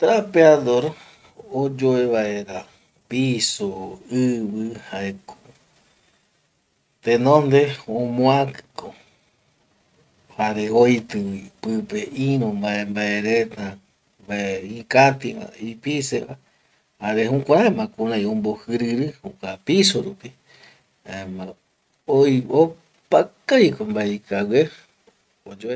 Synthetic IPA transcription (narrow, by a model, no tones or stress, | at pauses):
t̪ɾapeaðoɾ | od͡ʒoeβaeɾa | pisoɨβɨhaeko̥ | t̪enõnd̪eõmõakɨ̥ko | haɾeojt̪ɨwipɨpeʔĩɾõmbaembaeɾet̪a | mbaeikat̪ia̰ipiseʔa | haɾehõkʷãɾaemãkũɾãj̃õmbohɨɾɨɾɨhukʷapisoɾupi | aema | ojo | pakajkombaeikawʷe | od͡ʒoe